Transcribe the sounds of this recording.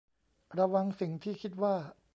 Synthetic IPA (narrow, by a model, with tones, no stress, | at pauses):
ɾa˧wa˧ŋsi˨˩˦ŋt̪ʰiː˥˩kʰi˦˥t̪̚waː˥˩